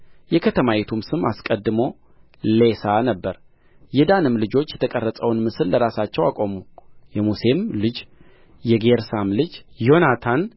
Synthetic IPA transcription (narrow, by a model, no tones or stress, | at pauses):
jɛkʰət̪ʰəmajɛt̪ʰumsɨmaskʼəd̪ːɨmo̞ | le̞sanəbːəɾ | jɛd̪anɨmlɨd͡ʒo̞t͡ʃːjɛt̪ʰəkʼərːəsʼəwnmɨsɨlːəɾasat͡ʃːɛwakʼo̞mujɛmuse̞mlɨd͡ʒ | jɛɡeɾsamlɨd͡ʒjo̞nat̪ʰan